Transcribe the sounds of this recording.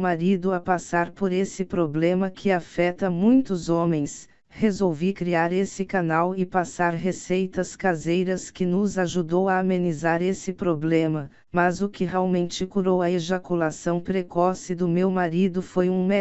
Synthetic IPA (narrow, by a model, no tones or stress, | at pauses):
maɾid̪ʊapasaɾpoɾesɪpɾoblẽmɐkʰɪafɛt̪ɐmũj̃t̪ʊzõmẽj̃s | hezowvikɾiaɾesɪkanawɪpasaɾɦesejt̪ɐskazejɾɐskɪnʊzaʒud̪owaːmẽnizaɾesɪpɾoblẽmɐ | mɐzʊkɪɦeawmẽnt͡ʃɪkuɾowɐeʒakulasɐ̃w̃pɾekɔsɪd̪ʊmewmaɾid̪ʊfojũmɛ